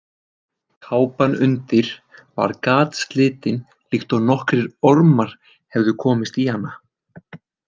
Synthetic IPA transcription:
t̪ʰaːwpanʏnt̪ɪɾ̥va̰ɾkaːt̪st̪lɪːt̪ɪn | l̥ixt̪ɔɣnɔhkɾɪɾɔɾmaɾ̥ | hɛvðʏkʰɔːmɪst̪ihanːa

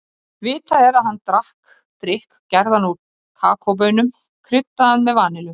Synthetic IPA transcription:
vɪːt̪ʰaɛɾaðɦanːt̪ɾahk | t̪ɾɪhkcɛɾðanu | kʰa̰ːkʰowp̬œnʏm | kʰɾʏt̪ːaanmɛðvaːnɪlʏ

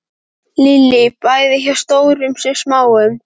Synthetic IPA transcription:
lilɪpajðɪçḁst̪oːwɾʏmsɛsmaːwʏm

